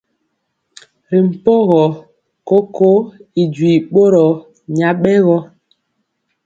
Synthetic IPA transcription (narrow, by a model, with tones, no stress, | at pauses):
ɾi˨m̩˨po˦ɣɔ˨ | ko˦ko˦i˨d͡ʒwi˨ɓo˦ɾɔ˨ | ɲa˨ɓɛ˦ɣɔ˦